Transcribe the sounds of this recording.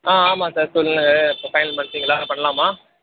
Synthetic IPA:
aːaːmaːsaːɾsɔlːɯnɯŋɡɐɪpːoːfɐɪnɐlmɐɳt̪ːiːŋɡɐlːaːnɐpɐɳːɐlãːmaː

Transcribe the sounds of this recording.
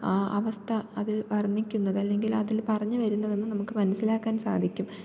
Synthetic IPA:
aːʔɐʋɐst̪ʰɐɐðilʋɐrɐɳːikʲːunːɐðɐlːe̞ŋɡilɐðilpɐrɐɲːɨʋɐɾunːɐðe̞nːɨnɐmukːɨmɐnɐsilaːkːaːnsa̰ːd̪ʱikʲːum

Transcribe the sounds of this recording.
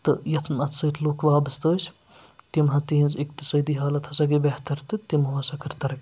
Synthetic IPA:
t̪ɨjɐt̪ʰnɐt̪sɐːt̪ʰluːkʰʋaːbɐst̪əːs | t̪imɦɐt̪iinzikt̪isɐːd̪iɦaːlɐt̪ʰɐsɐɡibeht̪ɐɾt̪ɨt̪imuɐsɐkʰɐɾt̪ɐɾɐk

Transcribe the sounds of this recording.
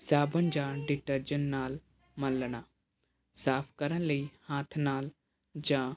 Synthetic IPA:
saːbənd͡ʒãːɖɪʈəɾd͡ʒənːaːl | mɐ̃lɽ̃aː | saːpʰkɐɾənləihaːt̪ʰnaːl | d͡ʒãː

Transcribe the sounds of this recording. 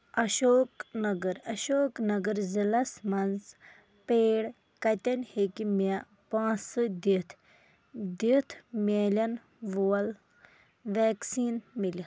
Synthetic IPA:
ɐʃoːknɐɡɐɾɐʃoːknɐɡəɾzilɐsmɐnz | peːɽ | kɐt̪ɐnʲhekimia | pãːsɨd̪it̪ʰ | d̪it̪ʰmʲeːlʲɐn | ʋol | ʋeːksiːnmili

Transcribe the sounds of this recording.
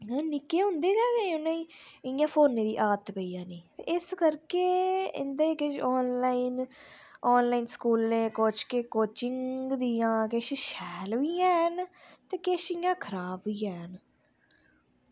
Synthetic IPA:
aːnɪkeːɦʊ̃nd̪eːɡaːkeʊnːãːiːɪjãːpʰoːnːeːd̪ḭːʔaːt̪pəiːãːniːt̪ḛːʔɪskəɾkeːɪ̰nd̪ẽːkeʃɔːnlaːiːnɔːnlaːiːnskuːlẽːkoːt͡ʃkeːkoːt͡ʃɪŋɡd̪iːãːkeʃʃɛːlʋiːɛːɦənt̪eːkeːʃɪjãːkʰəɾaːbʋiːɛːɦən

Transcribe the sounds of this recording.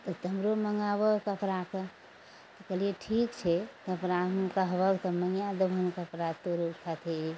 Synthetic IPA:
t̪ɔt̪əmɾoməŋɡabəkəpɾake | t̪ɔkəlieʈʰikt͡ʃʰɛk̪əpɾamkəɦbəɡt̪ɔməjad̪əbʱənkəpɾat̪oɾokʰat̪ʰei

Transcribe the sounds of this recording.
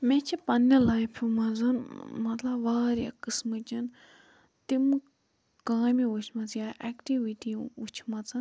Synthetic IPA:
met͡ʃʰipɐnːelajpʰumɐzɨnmɐt̪lɐbʋaːɾʲa̰kɨsmɨt͡ʃin | t̪im | kaːmiut͡ʃʰmɐt͡sjaʔɛkʈiʋitiut͡ʃʰmɐt͡sɨn

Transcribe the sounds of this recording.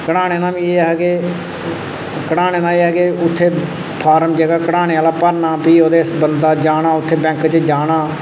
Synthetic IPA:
kəɽaːɽ̃eːnãːbiːeːɦɡeː | kəɽaːñeːnãːeːɛɡeːʊt̪ʰːeː | pʰaːɾəmd͡ʒɛːɡaːkəɽaːɽ̃eːaːlaːpəɾnaːpiːoːd̪eːsbənd̪aːd͡ʒaːɽaːʊt̪ʰːeːbɛ̃ːŋkt͡ʃəd͡ʒaːɽaː

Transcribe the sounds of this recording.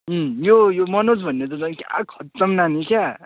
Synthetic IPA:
jojomʌnot͡sbʱʌnːet̪ʌt͡sʌka̰kʰʌt̪ːʌmnanikʰja

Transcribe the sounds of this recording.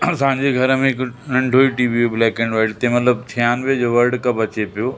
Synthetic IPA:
sãːɲd͡ʑeɡʱɐɾəmẽɪknɐ̃ɳɖʱoːiʈiːʋioblɛːkẽːɳɖʋɐːʈt̪ẽmɐt̪ləbt̪ʰijaːnʋed͡ʑoʋɐɾɖkɐbɐt͡ɕepijoː

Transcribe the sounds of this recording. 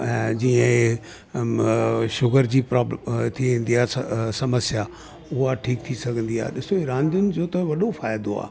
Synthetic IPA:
ɛ̃ːd͡ʑiːə̃ | ʃʊɡəɾd͡ʑiːpɾaːblt̪ʰiʋẽːn̆d̪iaːsɐməsja | ʊɦaʈʰiːk̚t̪ʰisɐɡʱə̃nd̪ia̰ːɗɪsoiɾãːnd̪ʊnɪ̆d͡ʑoːt̪ɐ̃ʋɐɗofaːjd̪oa̰ː

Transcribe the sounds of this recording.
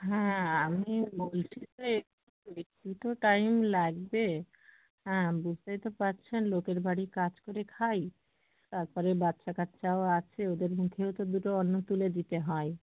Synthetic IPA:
ɦɛ̃amibolt͡ɕʰid͡ʑeek | poɾit̪ʰːit̪oʈajmlaɡbe | hɛ̃bud͡ʑʱt̪ajt̪epaɾt͡ɕʰenlokeɾbʱaɽikad͡ʑkoɾekʰaj | t̪aɾpɔɾebatːʃakat̪ɕaoat͡ɕʰeod̪eɾmukʰewt̪od̪uʈoɔnːot̪uled̪it̪eɦɔe

